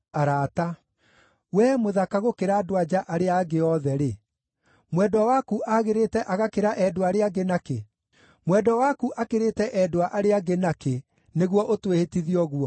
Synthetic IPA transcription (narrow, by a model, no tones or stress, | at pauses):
aɾaːta | wɛmoðakaɣokeɾaːdowad͡ʑaʔaɾeaɡeɔðɛɾe | mwɛdɔwakuʔaɣeɾetɛʔaɣakeɾaʔɛdoaɾeaɡenake | mwɛdɔwakuʔakeɾetɛʔɛdoaʔaɾeaɡenake | neɣwɔʔotwehetiðiɔɣwɔ